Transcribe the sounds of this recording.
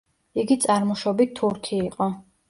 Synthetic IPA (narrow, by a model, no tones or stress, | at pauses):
iɡit̪sʼaɾmɔʃɔbit̪ʰuɾt̪ʰiːqʼɔ